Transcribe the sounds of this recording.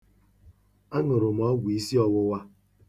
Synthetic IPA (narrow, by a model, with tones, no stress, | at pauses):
a˦ŋʊ˨ɾʊ˨m˨ɔ˦ɡʷi˦si˦ɔ˦wʊ˦wa˦